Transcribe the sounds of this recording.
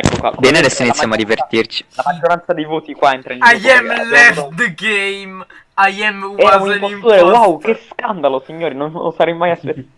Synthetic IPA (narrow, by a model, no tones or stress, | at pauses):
ɛkːokwa̰bɛnad̪ɛsːoinit̪sːjamoad̪ːivert̪irt͡ʃi̥lamad͡ʒːoɾant̪sad̪ejvoːt̪ikwaint̪ɾant͡ʃajɛmlɛft̪d̪ɡejm | ajɛmɛaiŋkontɾud̪eɾewawkeskand̪alosiɲːoːɾinono̰saɾɛjmajase